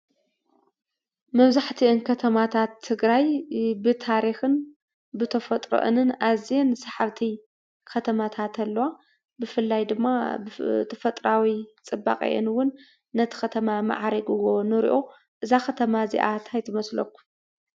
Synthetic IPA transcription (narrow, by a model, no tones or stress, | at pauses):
mɐβzaħt̪ʰiʔɨnkʰɐt̪ʰɐmat̪ʰat̪ʰːɨɡɾajbɨt̪ʰaɾixɨn | bɨt̪ʰɐfɐt̪ʼɾo̰ʔɨ̰nɨnʔazensaħaβt̪ʰi | kʰɐt̪ʰɐmat̪ʰat̪ʰɐlːɐwa | bɨfɨlːajd̪ɨmːabt̪ʰɐfɐt̪ʼɾawit͡sʼɨba̰qʼḭʔḛnwʊnː | ɐt̪ʰi̥xɐt̪ʰɐmama̰ʕɾɐɡɨwo̞nɨɾḭʔo | ʔɨzakɐt̪ʰɐmazḭʔat̪ʰajt̪ʰɐmɐslɐ̰kːu̥